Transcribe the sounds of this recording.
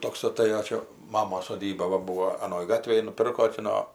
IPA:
ˈtoːks ɐˈtɘjoː ˈt͡ʃʲɛ ˈmɑːmoːs soːˈdʲiːbɐ ˈbuːʋoː ɐˈnoːj ˈɡɑːtʲʋʲeːj nʊˈpʲɪrkoː tʲɪ ˈnoː

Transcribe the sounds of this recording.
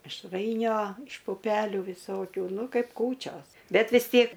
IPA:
mʲɪʃˈrɐɪnʲoː ɪʃ pʊˈpʲæːlʲuː ʋʲɪˈsoːkʲuː ˈnʊ ˈkɐɪp ˈkuːt͡ʃʲoːs ˈbʲɛt ʋʲɪs ˈtʲiɛk

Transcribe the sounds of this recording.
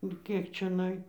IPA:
ʊ ˈkʲiɛk t͡ʃʲɛˈnɐɪ

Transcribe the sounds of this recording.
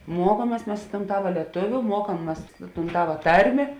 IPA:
ˈmuɔkuɔmʲiɛs ˈmʲɛs ɪ toːn ˈtɑːʋɐ lʲiɛˈtʊʋʲʊ ˈmuɔkɐm ˈmɐs ɪ tuːn ˈtɑːʋɐ ˈtɐrʲmʲeː

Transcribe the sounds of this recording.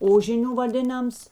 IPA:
ˈoːʒʲɪnʲʊ ʋɐˈdʲeːnɐms

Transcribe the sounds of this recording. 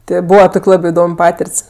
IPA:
ˈtʲeː ˈbuːʋɐ ˈtoːkʲ ˈlˠɑːbʲɪ ɪˈdoːmʲ ˈpɑːtʲɪrʲtʲsʲ

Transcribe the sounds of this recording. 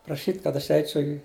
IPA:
prɐˈʃʲiːtʲ kɐt ɐʃ ˈɛɪt͡ʃʲɛʊ ɪ

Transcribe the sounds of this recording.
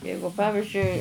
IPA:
ˈjɛɪɡʊ ˈpɑːʋʲɪʒʲʊɪ

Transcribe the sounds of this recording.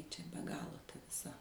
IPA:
ˈt͡ʃʲɛ bʲɛ ˈɡɑːlˠoː tɐ ʋʲɪˈsɐ

